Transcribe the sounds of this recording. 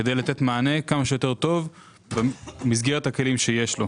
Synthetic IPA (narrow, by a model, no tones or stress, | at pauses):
kedejlat̪e̞t̪maːne̞kamaʃejot̪e̞ʁt̪o̞v | bemizɡeʁet̪hake̞limʃe̞je̞ʃlo